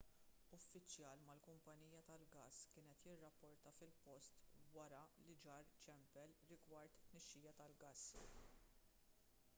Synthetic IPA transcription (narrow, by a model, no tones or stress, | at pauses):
ʊfːɪt͡ʃjɐːlmɐlkʊmpɐniːjɐt̪ɐlɡɐskɪːnɛt̪jɪrːɐpːɔɾt̪ɐfɪlpɔst̪wɐɾɐlɪd͡ʒɐːɾt͡ʃɛmpɛlːɪɡwɐɾt̪ɪt̪nɛʃːiːjɐt̪ɐlɡɐs